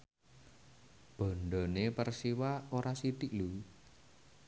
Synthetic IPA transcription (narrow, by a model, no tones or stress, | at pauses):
b̥ɔ̤ɳɖɔnepərsiwaoɾasit̪iʔlu